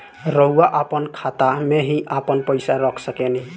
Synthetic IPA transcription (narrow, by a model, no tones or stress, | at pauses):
ɾɔɦuwaʔapɔnkʰat̪ameɦĩʔapənpəjsaɾɔkʰsəkɛni